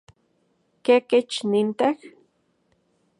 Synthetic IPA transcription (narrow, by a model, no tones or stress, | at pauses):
keket͡ʃnint̪ax